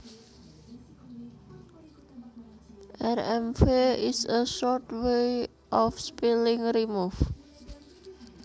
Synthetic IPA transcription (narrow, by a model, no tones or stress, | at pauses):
ʔɛrɛmfeɪsəʃɔrtwe | ʔɔfspilɪŋrimuf